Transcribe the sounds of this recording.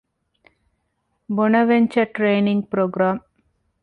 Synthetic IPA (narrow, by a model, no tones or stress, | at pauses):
bɔnɐʋeɲt͡ʃɐʈɾeːniŋɡpɾoːɡɾaːm